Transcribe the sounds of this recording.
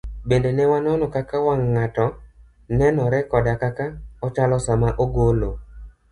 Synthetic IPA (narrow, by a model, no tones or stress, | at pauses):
bendenɛwanɔnɔkakawaŋːatɔ | nɛnɔɾɛkɔdakakaɔt͡ʃalɔsamaʔoɡolo